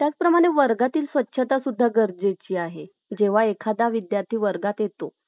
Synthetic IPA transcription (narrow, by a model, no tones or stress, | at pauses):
t̪jat͡spɾəmaɽ̃eʋəɾɡat̪iːlsʋətːɕʰət̪asud̪ʱːaɡəɾd͡zet͡ɕiːaɦe | d͡ʑeʋ̤aekʰad̪aʋid̪jaɾt̪ʰiːʋəɾɡat̪jet̪o